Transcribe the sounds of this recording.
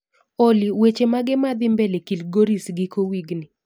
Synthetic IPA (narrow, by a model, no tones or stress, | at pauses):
oliwet͡ʃemaɡɪmad̪ɪmbelekilɡoɾisɡɪkowiɡnɪ